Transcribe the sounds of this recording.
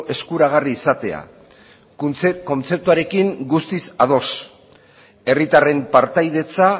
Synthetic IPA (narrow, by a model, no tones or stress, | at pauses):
ʔe̞skuɾaɣ̞ariːsat̪e̞̰a̰ | ko̞nt͡se̞p̚t̪uaɾe̞kiŋɡust̪isað̞o̞s | e̞rit̪are̞mpaɾt̪ajðe̞t͡sa